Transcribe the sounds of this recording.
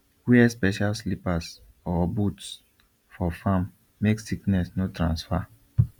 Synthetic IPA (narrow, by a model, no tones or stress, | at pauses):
wiɛspɛʃalslipas | ɔbuts | fɔfãmː | eksiknɛsnotɾãnsfa